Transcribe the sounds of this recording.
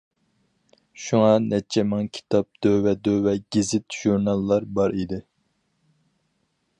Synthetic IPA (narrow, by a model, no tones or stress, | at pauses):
ʃuŋɑnɛt͡ʃʰɛmɪŋkʲʰi̥t̪ʰɑp̚d̪̥øwɛd̪owɛɡʲizɪt̪ʒ̥uɾnɑlˠːɑɾbɑɾid̪ɪ